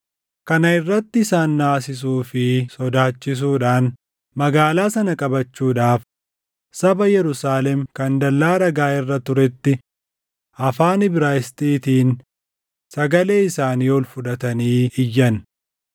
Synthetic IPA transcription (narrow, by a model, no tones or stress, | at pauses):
kɐnɐɪrːɐt̪ːɪɪsaːnːaːsɪs̬uːfɪsɔd̪aːt͡ʃːɪs̬uːᶑaːn | mɐɡaːlaːsɐnɐkʼɐbɐt͡ʃːuːᶑaːf | sɐbɐjɛɾʊsaːlɛmkɐnd̪ɐlːaːɾɐɡaːɪrːɐt̪ʊɾɛt̪ːɪ | ʔɐfaːnɪbɪɾaːjɪst̪iːt̪iːn | sɐɡɐle̞ːɪsaːniːɔlfʊᶑɐt̪ɐniːɪjːɐn